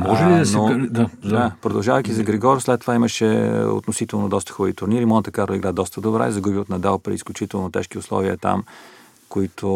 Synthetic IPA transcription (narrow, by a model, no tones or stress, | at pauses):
mɔʒɛlid̪ɐsnɛod̪ad̪apɾod̪ɐlˠʒavəjkizɐɡɾɛɡɔɾoslɛt̪ːovaiməʃɛo̰t̪nosit̪ɛlˠnod̪ɔst̪ə̥xɔvit̪ʊɾniɾimɔnt̪əkaɾiɡɾad̪ɔst̪əd̪obɾa̰izɐɡubiot̪nɐd̪alˠpɾḭisklʲut͡ʃit̪ɛlˠnot̪ɛ̰ʃk̟iʊslˠɔ̰viə̰t̪a̰m | koit̪ʰo